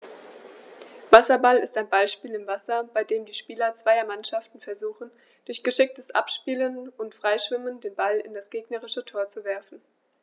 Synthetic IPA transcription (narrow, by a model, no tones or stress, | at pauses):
vasɐbalɪ̰staɪnbaɪʃpiːlɪmvasɐb̥aɪdeːmdiːʃpiːlɐt͡sv̥aɪɐmanʃaftn̩fɛɐzuːχn̩ | d̥ʊɐçɡ̥əʃɪk̚təsʔa̰pʃpiːlənʊntfʁ̥aɪʃv̥ɪməndeːnbalɪ̰ndasɡ̥eːɡnəʁɪʃətʰoːɐt͡suvɛɐfn̩